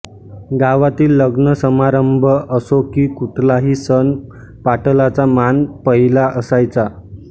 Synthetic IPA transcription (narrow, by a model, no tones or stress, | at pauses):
ɡaʋat̪iːlːəɡnəsəmaɾəmbʱəʔəsokiːkuʈʰlaɦiːsən | paʈəlat͡samanpəɦilaʔəsajt͡sa